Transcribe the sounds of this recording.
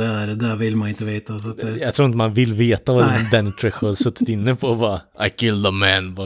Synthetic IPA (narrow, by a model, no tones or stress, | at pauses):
ɛæɾd̪ɛʋɪlmɑnɪnt̪ːəʋeɪt̪ɑsjæɡt̪ʰɾuːɾɪnt̪əmɑnʋɪlːveːt̪aʋɑd̪ɛd̪ɛnt̪ʰɾɛxhɑɾsʉt̪ːət̪ɪnːəpʰɔvɑːʔa̰ɪkʰɪldəmænbɑ